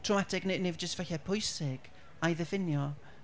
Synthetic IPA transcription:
tʰrowmatʰɪɡnenevd͡ʒəstvaɬɛpʰʊjsɪɡ̥ | ajðəvɪnjɔ

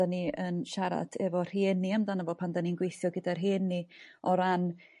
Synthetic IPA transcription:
aniənʃaɾa̰dʰɛvɔr̥eːniamdanəvɔpʰandaniənɡwejθjɔɡədarɦeːnːiɔɾan

